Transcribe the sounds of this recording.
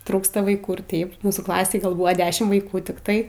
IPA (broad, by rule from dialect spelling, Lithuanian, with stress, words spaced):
ˈtruːkstɐ ʋɐɪˈkuː ɪr ˈtʲɛɪp ˈmuːsuː klˠɐˈsʲeːj ˈɡɐlˠ ˈbʊʋoː ˈdʲæːʃʲɪm ʋɐɪˈkuː tʲɪkˈtɐɪ